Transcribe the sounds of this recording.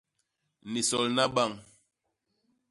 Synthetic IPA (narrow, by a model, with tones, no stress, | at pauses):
ni˨sɔ˨lna˦ɓa˦˨ŋ